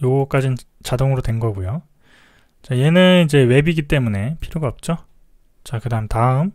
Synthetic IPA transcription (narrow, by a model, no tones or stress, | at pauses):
joɡʌk͈ad͡ʑin | t͡ɕadoŋɯɾodwe̞nɡʌɡujo | t͡ɕaje̞nɯnid͡ʑe̞we̞biɡit͈e̞mune̞pʰiɾjoɡaʌp̚t͡ɕ͈o | t͡ɕakɯdaɯmtaɯm